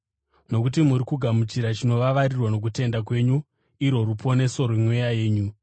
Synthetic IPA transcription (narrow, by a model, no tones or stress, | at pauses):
no̞kut̬imuɾikuɡʱamut͡ʃiɾat͡ʃino̞ʋaʋarirwano̞k̬ute̞ndak̬we̞ɲu | iɾo̞rupʰo̞ne̞so̞ɾemwejaje̞ːɲu